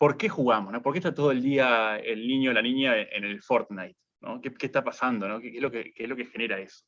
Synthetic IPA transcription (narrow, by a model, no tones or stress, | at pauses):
po̞ɾke̞xuɣamosnopoɾkeht̪at̪o̞ðoe̞ld̪iaḛlniɲjolanĩɲjaeʔenelfo̞ɾt̪najt̪̚ | no̰kekehst̪apasand̪o̞no̞kekezlokekeslo̞kexene̞ɾae̞so̥